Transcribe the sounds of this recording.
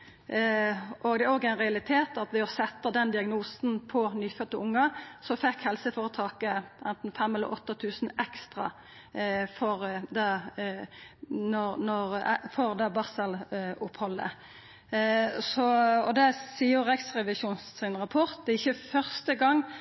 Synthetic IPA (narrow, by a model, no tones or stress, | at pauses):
ʔɔɡd̪ɛæɾoːɡæɪnʁɛɑlɪt̪ʰeːt̪ɑt̪ʋɪoːsɛt̪ːəd̪ɛnd̪ɪɑɡnuːsn̩pʰɔnyːfœt̪ːəʊŋːəsɔfɛkhɛlsəfɔʁət̪ʰɑːkəʔɛnt̪n̩fɛmhɛlːə̰ʔɔt̪ːɑt̪ʰʉːsn̩ɛkst̪ʁɑ̰ | fɔɾd̪ɑ | nɔnɔʁfɔʁd̪ɑːbɑʁsəlʊphɔlːə̰ | sɔɔd̪ɛsiːəʁɛɡsʁɛʋɪʃuːnsɪnʁɑpʰɔʁt̪̚d̪ɛɪçːəfœʁst̪əɡɑŋː